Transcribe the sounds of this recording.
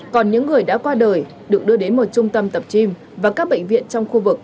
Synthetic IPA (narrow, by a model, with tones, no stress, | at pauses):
kɔ˨˩nɲɨ̰˧˥ŋːɨ˨˩əjɗa̰ː˧˥kwaː˧ɗəː˨˩j | ɗɨ˨˩ək̚ɗɨ˧əɗe˨˦nmo˨˩t̚t͡ɕʊ˧ŋ͡mt̪ə˧mt̪ə˨˩p̚t͡ɕi˧m | vaː˨˩kaː˦˥k̚ɓḛ˧˨ŋ̟vḭ˧˨ənt͡ɕɔ˧wŋ͡mxu˧vɨ˨˩k̚